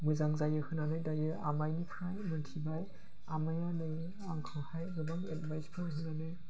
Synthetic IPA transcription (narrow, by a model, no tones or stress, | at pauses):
mɯzaŋzajɯhɯnanɯjdajɯamajnikʰɾajmɯntʰibaj | amajanɯj | aŋkʰahajɡɯbaŋet̚bajspʰɯnɦɯnanɯ